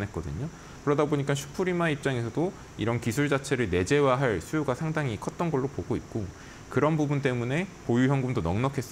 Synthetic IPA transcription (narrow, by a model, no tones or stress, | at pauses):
nɦet̚k͈ʌdɯ̰ɲo | kɯɾʌdaboɲik͈anɕʰu̥pʰuɾimaip̚t͡ɕ͈aŋe̞sʰʌdo | iɾʌnkisʰuɭd͡ʑat͡ɕʰe̞ɾɯɭne̞d͡ʑe̞waɦaɭsʰujoɡasʰaŋdaŋikʰʌt̚t͈ʌnɡʌɭːopoɡoit̚k͈o | kɯɾʌnbubunt͈e̞mune̞pojuçjʌŋɡumdonʌŋnʌkʰe̞s͈ʌ